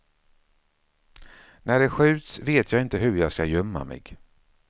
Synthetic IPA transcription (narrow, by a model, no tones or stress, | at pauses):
næɖɛɧʉ̟ːt̪sveːt̪ʰjɑːɡɪnt̪əɦɵɾjɑːɡskajœmːa̰mɛ̰ɡ